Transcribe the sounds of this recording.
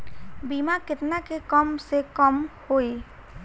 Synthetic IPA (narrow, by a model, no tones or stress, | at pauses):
biːmakɪt̪nakekəmsekəmhoːe